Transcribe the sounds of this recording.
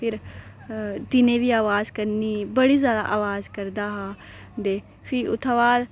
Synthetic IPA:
pʰɪɾ | t̪ɪnẽbiaːʋaːzkəɾnibəɽizjaːd̪a̰ʔaːʋaːzkəɾd̪aɦã | d̪eː | pʰɪʊ̰t̪ʰaʋaːd̪

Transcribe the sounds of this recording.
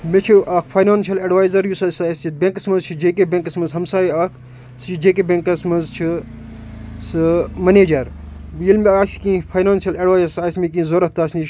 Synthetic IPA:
met͡ʃʰiʔakʰfʰɐjnaːnʃɐlɐɖʋaːjzɐɾjusɐsaːjsit̪̚bẽŋkɐsmɐnzt͡ʃʰid͡ʒeːkebʲẽːŋkɐsmɐnzɦɐmsaːjiaːkʰ | sɨt͡ʃʰid͡ʒeːk̬ebʲẽŋkɐsmɐnzt͡ʃʰi | sɨmɐneːd͡ʒɐɾjilmʲiaːkskĩːfʰɐjnaːnsiɐlɐɖʋaːzɐɾsaːjsmik̬ĩːzoːɾɐt̪t̪aːsni

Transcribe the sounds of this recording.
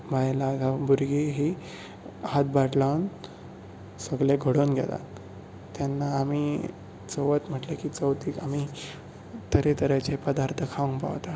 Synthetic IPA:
ʋajlaɡabuɾɡiɦi | hat̪̚baʈlawn | səɡleɡʱəɽonɡʱɛ̰la̰ | t̪janːaːmi | t͡soʋət̪m̤əʈlekit͡səwt̪iːkam̤i | t̪əɾet̪əɾajt͡ɕepəd̪aɾt̪ʰəkʰaʋəŋkpa̰ʋt̪a

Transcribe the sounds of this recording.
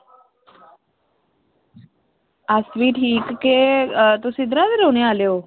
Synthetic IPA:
asʋiːʈʰiːkːet̪osɪd̪ɾad̪ɾoneaːljoː

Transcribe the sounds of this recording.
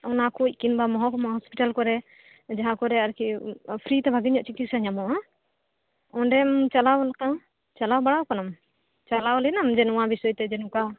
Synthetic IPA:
ɔnakuc̚ˀkinbamɔɦɔ̃kɔmaɦɔspiʈalkɔɾɛ | d͡ʒaɦãkɔɾɛaɾkipʰɾit̪ɛbʱaɡiɲɔʔt͡ʃikisaɲamɔa | ɔnɖɛmt͡ʃalawlaka | t͡ʃalawbaɽawkanam | t͡ʃalawlɛnamd͡ʒɛnuwãbisɔjt̪ɛd͡ʒɛnuka

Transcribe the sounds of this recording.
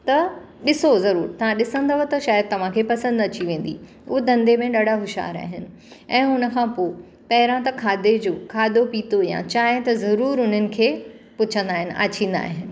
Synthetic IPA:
t̪ɐ | ɗɪsozɐɾuːɾt̪ɐʋ̤ãɗɪsə̃nd̪aɦot̪ɐʃaːjəd̪̚t̪ɐʋ̤ãkʰepɐsə̃nd̪ɐt͡ɕiʋẽːn̆d̪ḭ | ʊɦed̪ɐ̃nd̪emẽɗɐɽaɦʊʃa̰ːɾa̰ːɦɪnɪ̆ | ɛ̃ːʊnə̆kʰãːpoː | pɐɦɪɾãt̪ɐkʰaːd̪ed͡ʑoːkʰaːd̪opiːt̪ojã̰t͡ɕaːɦɪt̪ɐzɐɾuːɾʊn̤ənɪ̆kʰeːpʊt͡ɕʰə̃nd̪aːɦɪnɪ̆ʔa̰ːt͡ɕĩːn̆d̪a̰ːɦɪnɪ̆

